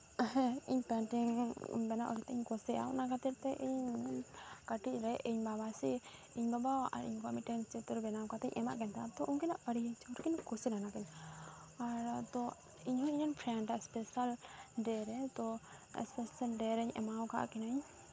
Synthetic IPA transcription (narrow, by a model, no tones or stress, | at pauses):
ɦɛ̃ḭɲpɛnʈiŋbɛnaʔɔ̰ɾɛt̪ɛiɲkɔsɛʔa̰wnakat̪ɛɾt̪ɛʔiɲnkəʈic̚ɾɛʔiɲbabasi | iɲbabawʔa̰ɾḭɲkɔmiʈɛnt͡ʃɛt̪ɔɾbɛnawkat̪ɛ̰ɲʔɛ̰ma̰ʔkɛnt̪ʰaat̪ɔʔuŋkinaʔəɾiɲt͡ʃʰɾkinkɔsilanakaɲ | aɾt̪ɔ | iɲɦɔ̃iɲɔnpʰɾɛɳɖaɛspɛsalɖɛɾɛt̪ɔɛ̰spɛsalɖɛɾɛɲɛ̰mawka̰ʔkɛnaɲ